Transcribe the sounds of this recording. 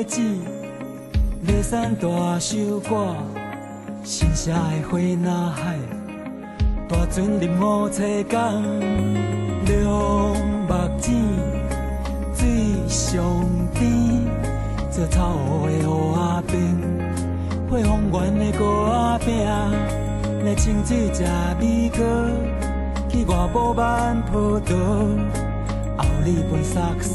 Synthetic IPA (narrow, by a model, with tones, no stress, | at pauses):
t͡ɕi˥˧˨ | le˧˩sa˦nt̪wa˨ɕu˦kwa˥˧˨ | ɕi˧˩nɕja˧˦a˨˧jhwe˧˦nã˧ha˧˨j | t̪wa˨˩t͡su˦nli˨˩mɔ˧t͡sʰe˧ka˦ŋ | ljɔ˧ŋba˨˩k̚t͡ɕĩ˧˨ | t͡si˧ | ɕjɔ˨˩ŋt̪i˦ | t͡sə˧˩t͡sʰa˧˩˨wɔ˨˦e˧ɔ˧a˧pi˧ŋ | hwe˥˧˨ɦɔ˧ŋɡwa˨˦ne˧ko˧a˦pj̃a˥˧˨ | le˧t͡ɕʰi˧ŋt͡si˧˨t͡ɕja˨˩bi˦kə˦ | ki˧ɡwa˨˩bɔ˧˦ba˦˧npʰə˧t̪ə˨˦ | a˨˩wli˧˩be˨˧˩sa˧k̚